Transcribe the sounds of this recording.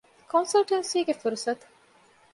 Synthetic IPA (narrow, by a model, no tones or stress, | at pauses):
kʰonsɐlʈɐnsiːɡefuɾusɐt̪u̥